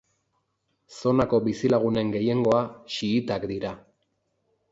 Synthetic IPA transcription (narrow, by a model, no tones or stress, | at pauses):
so̞nako̞bisilaɣ̞une̞ŋɡe̞je̞ŋɡo̞aʃiːt̪akd̪iɾa